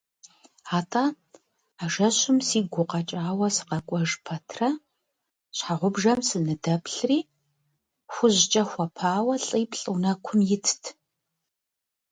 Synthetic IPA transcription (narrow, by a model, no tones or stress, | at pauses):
aːtʰʼaː | aːʒɐɕʊmsiːɡʷʊqɐt͡ʃʼaːwɐsɨ̥qɐkʷʼɔʒpʰɐtʰrɐ | ɕħaʁʷʊbʒɐmsɨnɨdɐpʰɬriː | xʷʊʑt͡ʃʼɐxʷɔpʰaːwɐɬʼiːpʰɬʼɨnɐkʷʰʊmjɪtʰtʰ